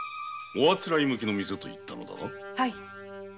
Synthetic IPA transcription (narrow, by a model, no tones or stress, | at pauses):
oβat͡sɨɾaimɯ̟k̬ʲino̞mʲiset̪o̞ḭt̪ːano̞̰d̪a̰no | hai